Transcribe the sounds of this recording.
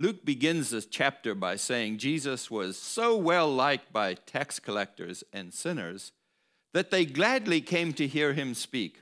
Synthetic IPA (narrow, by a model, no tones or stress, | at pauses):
lʉk̚b̥ɨɡɪ̃nzðɪst͡ʃʰæp̚tə˞baɪseɪɪ̃ŋd͡ʒizəswʌz̥soʊwɛlˠlaɪk̚b̥aɪtʰɛkskʰəlɛk̚tə̰˞zɨ̃nsɪ̃nə̰˞z̥ | ðɨt̪̚ðeɪɡlædˡlikʰẽɪ̃mtɨɦiɹɪ̃mspik